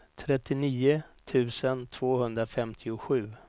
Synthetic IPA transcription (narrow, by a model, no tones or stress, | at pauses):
t̪ʰɾɛt̪ːɪniːʊt̪ʰʉ̟ːsənt̪ʰv̥oːhɵnd̪ɾafɛmt̪ʰɪʊɧʉ̟ː